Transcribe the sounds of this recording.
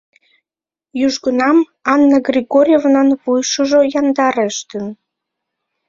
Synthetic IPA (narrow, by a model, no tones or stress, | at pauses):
jyʒɡənɑm | ɑnːəɡrʲiɣoɾʲjevnɑnβujʃəʒojɑnd̪ɑɾeʃt̪ən